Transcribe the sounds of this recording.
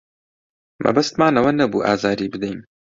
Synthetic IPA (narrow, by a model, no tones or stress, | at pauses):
mʔɐ̰bɐst̪maːnɐwɐnɐbuːʔa̰ːzaːɾiːbɨd̪ɛjm